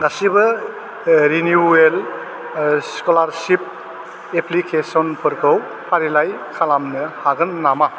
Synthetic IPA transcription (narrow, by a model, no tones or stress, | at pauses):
ɡasibɯ | ɾinjuel | skɔlaɾsip̚ | epʰlikʰesɔnpʰɯɾkʰɯw | pʰaɾilajkʰalamnɯhaɡɯnːama